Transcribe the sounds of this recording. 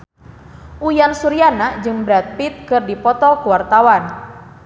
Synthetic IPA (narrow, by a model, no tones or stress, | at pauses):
ʔujansuɾianad͡ʒɨŋbɾat̪̚pit̪̚kɨrdipɔt̪ɔkuwart̪awan